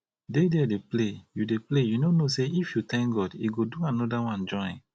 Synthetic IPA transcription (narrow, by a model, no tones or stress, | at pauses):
dedɛdeplejudeplejunonoseifjutɛ̃ŋk̚ɡɔdḭɡoduãnɔdawãnd͡ʒɔ̃ḭ̃ŋ